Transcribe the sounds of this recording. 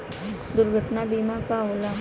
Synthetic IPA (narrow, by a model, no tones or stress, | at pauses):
d̪uɾɡʱəʈnabimãkaɦola